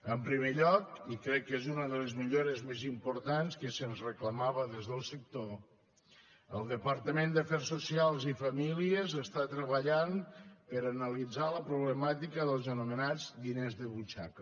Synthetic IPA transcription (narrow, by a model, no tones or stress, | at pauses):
əmpɾimeʎɔkikɾɛkːezunəðələzmiʎoɾəzmezimpuɾt̪anskəsənzrəkləmaβəðezðəlˠsək̚t̪o | əlˠd̪əpəɾt̪əmend̪əfɛrsusialˠzifəmiliəzəst̪at̪ɾəβəʎanpəɾənəlid͡zaləpɾuβləmat̪ikəðəlˠzənumənad͡zd̪inezðəβut͡ʃa̰kə